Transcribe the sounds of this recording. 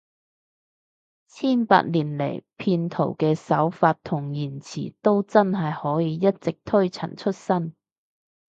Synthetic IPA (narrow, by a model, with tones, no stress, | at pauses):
t͡sʰiː˥˩npa̰ː˧t̚liː˨˩nlḛ˨˩jpʰiː˧nt̪ʰo˨˩wkɛː˧sɐ˨˥wfaː˧t̚t̪ʰʊ˨˩ŋjiː˨˩nt͡sʰḭː˨˩t̪o˥wt͡sɐ˥nɦɐ˨jhɔː˨˥jiː˨˧jɐ˥t̚t͡sɪ˨k̚t̪ʰɵ˥ɥt͡sʰɐ̰˨˩nt͡ʃʰɵ˥t̚sɐ˥n